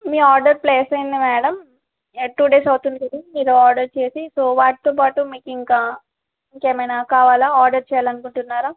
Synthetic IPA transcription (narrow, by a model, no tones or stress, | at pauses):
miːaːɾɖɐɾpleːsɐjnd̪imɛːɽɐm | eʈːuːɖeːsɐwt̪und̪kɐd̪imiːɾuaːɾɖɐɾt͡ʃe̞ːsisoːʋaːʈi̥t̪oːpaːʈumiːkiŋkaː | iŋkeːmɐjnaːkaːʋaːlaːaːɾɖɐɾt͡ʃɛjaːlɐnukuɳʈunːaːɾaː